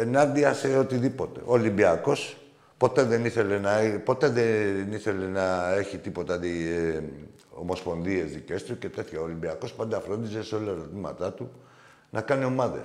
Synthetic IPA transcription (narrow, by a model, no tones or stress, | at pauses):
enɐnd̪iɐse̞o̞t̪iðipo̞t̪e̞̰ʔoːlimbiɐko̞s | po̞t̪e̞ðe̞niθe̞le̞nɐpo̞t̪e̞ðeniθe̞le̞nɐe̞çit̪ipo̞t̪ɐði | o̞̰mo̞spo̞nðie̞zðice̞st̪uce̞t̪eθçaolimbiɐko̞spɐnd̪ɐfɾo̞nd̪iseseo̞lɐɾo̞t̪imɐ̰t̪ɐt̪u | nɐkɐnio̞mɐðḛs